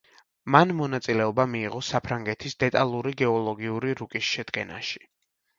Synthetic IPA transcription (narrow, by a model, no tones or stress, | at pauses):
manmɔnat̪sʼilɛɔbamiːʁɔsapʰɾaŋɡɛt̪ʰisd̪ɛt̪ʼalˠuɾiɡɛɔlˠɔɡiuɾiɾukʼisʃɛd̪̥ɡɛna̰ʃi̥